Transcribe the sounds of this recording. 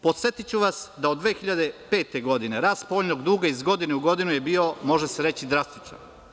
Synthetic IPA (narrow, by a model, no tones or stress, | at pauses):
po̞t̪set̪it͡ɕuʋasd̪aod̪ʋeːxiʎad̪e̞pe̞ːt̪eɡo̞d̪ine̞ɾaːst̪po̞oʎnoɡd̪uːɡaizɡo̞d̪ineuɡo̞d̪inuje̞biːo̞mo̞ʒe̞seɾe̞t͡ɕid̪ɾast̪it͡ʃa̰n